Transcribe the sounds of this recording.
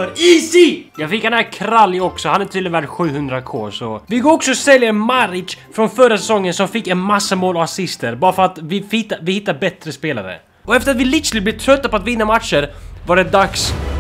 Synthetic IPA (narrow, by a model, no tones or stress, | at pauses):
ɾiːsijɑːɡfɪkːhanækʰɾalːɪɔksɔhanæt̪ʰyːd̪væːʈɧʉ̟ːhɵnd̪ɾakʰo̰ːsɔvɪɡoːɾɔksɔɔsɛljəmaɾɪfɾɔnfœɾasɛsɔŋːənsɔmfɪkːɛnmasːəmoːlɔvasɪst̪əɾbɑːɾafœɾat̪vɪhɪt̪ːavɪhɪt̪ːaɾbɛt̪ɾəspeːla̰ɾə̰ | ɔɛft̪əɾat̪vɪlɪslɪblɛːvt̪ʰɾœt̪ːapɔat̪vɪnːamat̪ʂəɾvaɖɛd̪aks